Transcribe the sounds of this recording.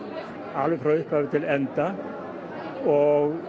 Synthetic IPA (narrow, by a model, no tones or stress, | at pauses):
alvɪfɾaʏhphavɪt̪ʰɪlɛnt̪a | ɔɣ